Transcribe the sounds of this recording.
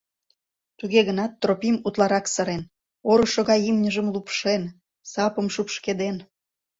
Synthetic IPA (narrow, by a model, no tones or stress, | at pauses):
t̪uɣeɣənɑt̪ːropimut̪lɑɾɑksə̆ɾen | oɾuʃoɣɑjimnʲəʒəmlupʃen | sɑpə̆mʃupʃked̪en